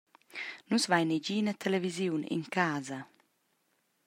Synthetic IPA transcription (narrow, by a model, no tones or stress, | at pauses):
nusvajned͡ʒiːnat̪ʰelevizjuwnḭŋkʰaːzɐ